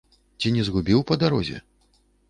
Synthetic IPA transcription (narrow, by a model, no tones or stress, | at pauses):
t͡sʲinʲɛzɣubʲiwpɐd̪aɾɔzʲɛ̰